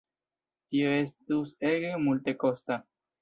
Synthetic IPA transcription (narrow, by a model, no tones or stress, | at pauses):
t̪ioest̪useɣemult̪ekost̪a